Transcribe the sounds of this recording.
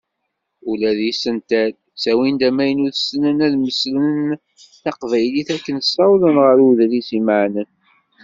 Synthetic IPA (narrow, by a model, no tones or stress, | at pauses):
ulæðisənt̪æð | sæwind̪æmæjənuðsnənæðməsləən | θɑqvæjliθækːənsːɑwlənʁəɾuðlisiməʕnən